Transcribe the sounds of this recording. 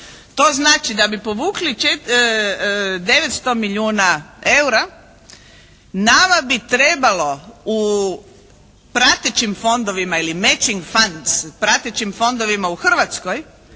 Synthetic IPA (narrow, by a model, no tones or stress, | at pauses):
t̪o̞ːznaːt͡ʃid̪abipo̞ʋuːklit͡ʃe | d̪e̞ʋet̪st̪o̞miʎuːnae̞wɾa | naːʋabit̪ɾebalo̞u | pɾat̪et͡ʃimfo̞nd̪o̞ʋimailimet͡ʃiŋɡfand̪zpɾat̪et͡ʃimfo̞nd̪o̞ʋimauxr̩ʋat̪sko̞j